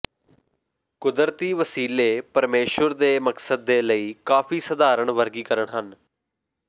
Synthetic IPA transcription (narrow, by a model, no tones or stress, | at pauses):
kʊd̪əɾt̪iːʋəsiːleːpəɾmeːʃəɾd̪eːməksəd̪ːeːləiːkaːfʰiːsəd̪aːɾəɳʋəɾɡiːkəɾəɳɦən